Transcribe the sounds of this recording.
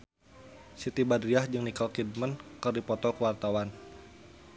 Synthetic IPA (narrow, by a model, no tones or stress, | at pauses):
sit̪ibadɾiahd͡ʒɨŋnikalkid̚mənkərdipɔt̪ɔkəwart̪awan